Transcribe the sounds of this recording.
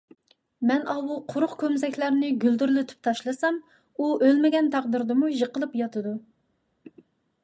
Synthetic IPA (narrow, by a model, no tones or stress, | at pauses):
mɛnʔɑwuqʰʊɾʊqkʲʰømzɛkʲʰlæɾnɪɡʲyld̪yɾlɪt̪ʰy̥p̚t̪ʰɑʃlˠɨsɑm | uʔølmɪɡʲɛnt̪ʰæʁd̪ɨɾd̪ɨmuʒəqʰəlˠɨpjɑt̪ʰɨd̪u